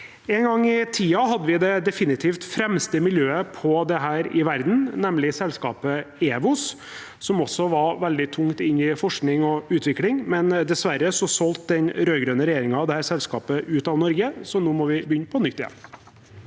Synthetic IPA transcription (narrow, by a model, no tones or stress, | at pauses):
ɛːŋɡɑŋːɪt̪ʰiːɑɦɑd̪ːəʋɪd̪ɛd̪ɛfɪnɪt̪ʰiːft̪fɾɛmst̪əmɪljøːəpʰɔd̪ɛɦæːɾɪʋæɾd̪n̩nɛmlɪsɛlskɑ̰ːpəeːʋʊs | sɔmɔsːɔʋɑɾʋɛld̪ɪt̪ʰʊŋt̪ɪnɪfɔʂknɪŋɔʉːt̪ʋɪklɪŋmɛnd̪ɛsʋæɾəsɔsɔlt̪̚d̪ɛnɾøːɡɾøːnəɾɛjeːɾɪŋɑɑʋd̪ɛhæːɾsɛlskɑːpəʔʉːt̪ɑʋnɔɾɡəsɔnuːmɔʋɪbəjʏnːəpʰɔnʏt̪ːɪjɛ̰nː